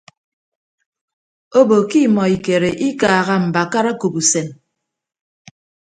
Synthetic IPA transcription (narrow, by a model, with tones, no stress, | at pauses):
o˦bo˨ki˦mɔ˨i˨ke˨ɾe˨ʔi˦kaː˨ɣa˦m̩˨ba˨ka˦ɾa˦ko˨bu˨se˨m